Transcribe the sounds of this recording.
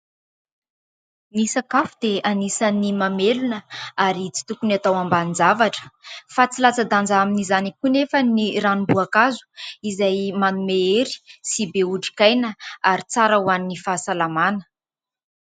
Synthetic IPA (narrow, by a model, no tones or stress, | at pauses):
nisakafud̪eanisanimamelunəaɾit͡si̥t̪ukuniat̪awambanind͡zavaʈ͡ʂə̥fat͡silat͡sad̪and͡zaminizanikunefəniranubuakazu̥izajmanumeeɾi̥sibeuʈ͡ʂi̥kajnəaɾit͡saɾəwaninifasalamanə̥